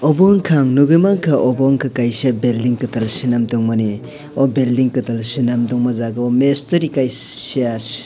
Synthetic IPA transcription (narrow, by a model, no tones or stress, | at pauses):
ɔboŋkʰaŋnuɡɯmaŋkʰɐʔobɔŋkʰɐkajsiabeldiŋkɯtalsinamdɔŋmɐni | obeldiŋkɯtalsinamdɔŋmɐzaɡɐomestɐɾikajias